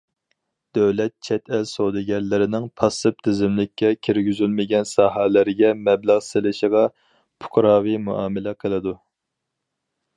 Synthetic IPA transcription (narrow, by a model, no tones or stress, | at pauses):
d̪̥øwlɛt̪̚t͡ʃʰɛt̪ʰɛlsod̪ɨɡʲɛnlːɪɾɪnɪŋpʰɑsɨp̚t̪ʰɪzɪmlɪkʲʰːɛkʲʰiɾɡʲyzylmɪɡʲɛnsɑːɦælɪɾɪɡʲɛmɛblæʁsɪlɪʃəʁɑ | pʰʊ̥qʰɾɑːwimuʔɑːmɪlɛqʰəlˠɨd̪u